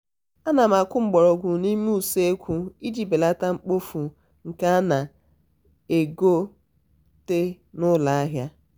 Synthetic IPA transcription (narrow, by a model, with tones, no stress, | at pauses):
a˦na˨ma˨kʊ˦ŋ͡m̩˨ɡ͡bɔ˨ɾɔ˨ɡʷu˨ni˦mu˦u˨se˦e˦kʷu˦i˦d͡ʒi˨be˨la˦ta˦ŋ͡m̩˦k͡po˦fu˨ | ŋ̩˨ka˦a˦na˨ | e˨ɡo˦ | te˦ | nʊ˦la˨a˦ɦja˦